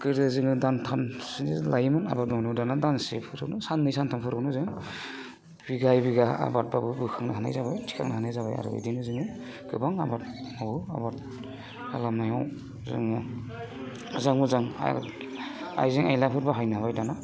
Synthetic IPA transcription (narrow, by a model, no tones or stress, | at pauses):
kɯɾdɯzɯŋɯdantʰanslajmɯna̰bat̚nɔwnɔwdanadansḛpʰɯɾɯ̰knɯsanːɯjsantʰanpʰɯɾɯknɯzɯŋ | biɡajbiɡaa̰bat̚babɯbɯkʰaŋnaɦana̰jzabajtʰi̥kʰa̰ŋnahanajzaba̰ja̰ɾɯ̰ɯ̰dinɯzɯŋɯ | ɡ̥ɯbaŋa̰bat̚mabua̰bat̚ | alamnajaw | zɯ̰ŋmu | zaŋmuzaŋa̰ | a̰jziŋajlapʰɯɾbaɦajnaaβajdana